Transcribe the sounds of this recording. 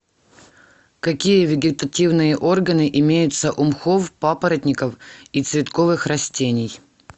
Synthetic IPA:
kɐkʲijəvʲɪɡʲɪt̪ɐtʲivnɨjəʔo̞rɡənɨʔɪmʲejʊt̪səʔʊmxofpapəɾət̪ʲnʲɪkəfit̪svʲɪt̪ko̞vɨxɾɐsʲtʲenʲɪj

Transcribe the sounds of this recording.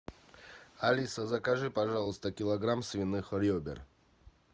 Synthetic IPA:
alʲisəzɐkaʐɨpaʐalˠəst̪əkʲɪlˠɐɡɾamsvʲinɨxɔɾʲjobʲɪ̰r

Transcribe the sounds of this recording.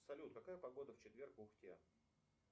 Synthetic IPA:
sɐlʲut̪kɐkajəpɐɡo̞d̪əft͡ɕɪt̪vʲe̞rkʊxtʲḛ

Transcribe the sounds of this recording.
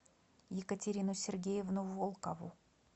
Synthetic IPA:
jɪkətʲɪɾʲinʊsʲɪrɡʲejɪvnuvolˠkəvʊ

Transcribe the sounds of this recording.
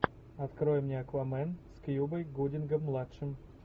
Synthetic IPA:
ɐt̪kɾojmnʲeɐkvɐmɛnskjubəjɡudʲɪnɡəmːlˠatʂɨm

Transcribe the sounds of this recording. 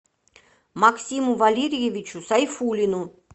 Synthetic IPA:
maksʲimuvalʲeɾʲijevʲit͡ɕʰusajfulʲinu

